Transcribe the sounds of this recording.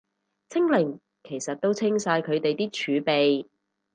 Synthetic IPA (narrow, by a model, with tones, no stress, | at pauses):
t͡sʰɪ˥ŋlɪ˨˩ŋ | kʰe˨˩jsɐ˨t̚t̪o˥wt͡sʰɪ˥ŋsaː˧jkʰɵ˨˧ɥt̪e˨jt̪iː˥t͡ʃʰyː˨˧pe˨j